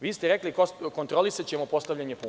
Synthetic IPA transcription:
ʋiːst̪ɛɾeklikoko̞nt̪ɾo̞lˠisat͡ɕe̞mopo̞st̪aʋʎʲaɲepuː

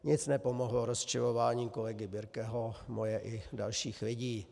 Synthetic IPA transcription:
ɲɪt͡snɛpo̞mo̞ɦloɾost͡ʃɪlovaːɲiːko̞lɛɡɪbɪɾkɛɦo̞mojɛʔɪdalʃiːxlɪɟiː

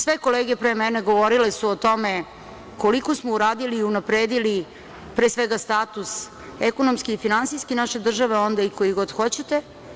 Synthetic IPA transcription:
sʋeko̞leːɡepɾemɛne̞ɡo̞ʋo̞ɾile̞suot̪o̞me̞ | ko̞likosmouɾaːd̪iliːunapɾeːd̪ili | pɾeːsʋeɡast̪aːt̪us | ekonomskiifinansijskinaʃe̞d̪r̩ʒaʋeo̞nd̪aikojiɡo̞d̪xo̞t͡ɕet̪e̞

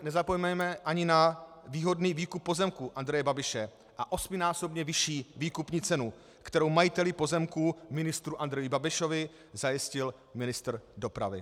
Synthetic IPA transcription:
nɛzapo̞jmɛjmɛʔaɲɪnaviːɦo̞dniːviːkupːo̞zɛmkuʔandɾɛjɛbabɪʃɛ | ʔaʔo̞smɪnaːso̞bɲɛvɪʃiːviːkupɲiːt͡sɛnu | kt̪ɛɾo̞wmajɪt̪ɛlɪpo̞zɛmkuːmɪnɪst̪ɾuʔand̪ɾɛjɪbabɪʃo̞vɪ | zajɪscɪl | mɪnɪst̪rdo̞pɾa̰vɪ̰

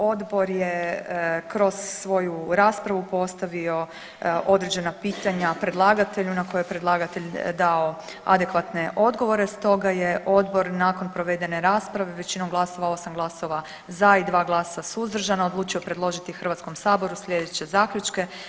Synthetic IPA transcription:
o̞d̪bo̞ɾje | kɾo̞z̥ːʋo̞juɾaːspɾaʋupo̞st̪aʋio̞ | ʔo̞d̪ɾe̞d͡ʑe̞napiːt̪aɲapɾe̞d̪lˠaɡat̪e̞ʎunako̞jojepɾe̞d̪lˠaːɡat̪e̞ʎd̪ao̞ | a̰d̪e̞kʋat̪ne̞ʔo̞d̪ɡo̞ʋo̞ɾe̞st̪o̞ɡaje̞ʔo̞d̪bo̞ɾnaːko̞npɾo̞ʋe̞d̪e̞ne̞ɾaːspɾaʋe̞ʋe̞t͡ɕino̞mɡlˠaso̞ʋao̞samɡlˠaso̞ʋa | zaid̪ʋaːɡlˠaːsasuzd̪r̩ʒanaod̪lˠuːt͡ʃiopɾe̞d̪lˠo̞ʒit̪ixr̩ʋat̪sko̞msaːbo̞ɾusʎe̞d̪et͡ɕe̞zaːkʎʲut͡ʃke̞

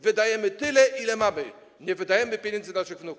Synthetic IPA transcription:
vɘd̪ajɛmɘt̪ɘlɛʔilɛmamɘ | ɲɛvɘd̪ajɛmɘpʲjeɲɛnd̪zɘnaʂɘɣvnuk

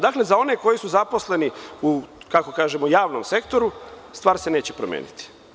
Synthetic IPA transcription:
d̪akle̞zao̞ne̞ko̞jisuzapo̞sle̞niukako̞kaːʒe̞mojaːʋnomse̞kt̪o̞ɾu | st̪ʋaːɾse̞ne̞ːt͡ɕepɾomjḛːnḭt̪i̥

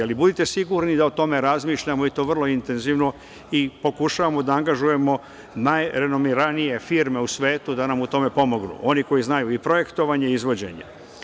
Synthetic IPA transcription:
alibud̪it̪e̞siɡuɾnid̪ao̞t̪o̞me̞ɾazmiːʃʎamo̞it̪o̞ʋr̩lˠo̞int̪e̞nziʋno̞ | ipo̞kuʃaʋamo̞d̪aaŋɡaʒuje̞mo̞ | najɾe̞nomiɾanije̞fiɾme̞usʋe̞ːt̪ud̪anamut̪o̞me̞po̞mo̞ɡnṵʔo̞niko̞jiznajuipɾo̞je̞kt̪o̞ʋaɲe̞izʋo̞d͡ʑe̞̰ɲḛ

